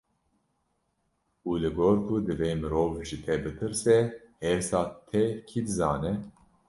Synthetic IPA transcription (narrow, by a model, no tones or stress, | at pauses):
uːlɨɡoːɾkʰud̪ɨveːmɨɾoːvʒit̪ʰɛbɨt̪ʰɨɾsɛhɛɾsɑːt̪ʰɛkʰid̪ɨzɑːnɛ